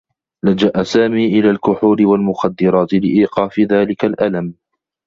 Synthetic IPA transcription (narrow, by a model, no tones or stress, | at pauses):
lad͡ʒaʔasaːmiːʔɪlaːlkʊħuːɾɪwalmʊxad̪ːɪɾˤɑːt̪ɪlɪʔiːqɑːfɪðaːlɪkalʔalam